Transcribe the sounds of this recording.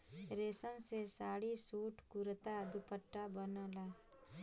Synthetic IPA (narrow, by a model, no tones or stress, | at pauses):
ɾeːsənsesaːɽisuːʈkuɾət̪ad̪upəʈːabənaːla